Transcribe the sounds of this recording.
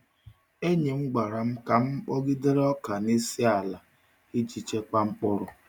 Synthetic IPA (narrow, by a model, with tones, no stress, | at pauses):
e˦ɲe˨ŋ͡m̩˦ɡ͡ba˨ɾa˨m̩˦ka˨m̩˦k͡pɔ˦ɡɪ˦de˦ɾɔ˦ka˨ni˦si˦a˨la˨ | i˦d͡ʒi˨t͡ʃe˦k͡pa˦ŋ͡m̩˦k͡pɔ˦ɾʊ˦